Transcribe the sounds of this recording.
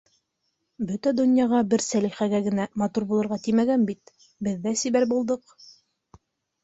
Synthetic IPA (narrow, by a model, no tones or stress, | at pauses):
bɵt̪æd̪ɵ̆njɑʁɑbɘɾsæliχæɡæɡɘ̆næmɑt̪uɾbulˠɤ̆ɾʁɑt̪imæɡænbit̪ | bɘ̆ðːæsiβæɾbulˠd̪ɤq